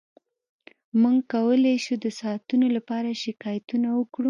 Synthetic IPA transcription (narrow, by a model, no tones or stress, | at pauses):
muŋɡkawəlajʃud̪əsɑːt̪unolapɑɾaʃɪkɑjat̪unawəkɽu